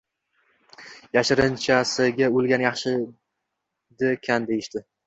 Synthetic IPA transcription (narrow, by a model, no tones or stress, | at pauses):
jaʃɪɾɪnt͡ʃʰasɪɡʲaolˠɡʲanjɑχʃɪ | d̪ɪkʲʰand̪ejɪʃt̪ɪ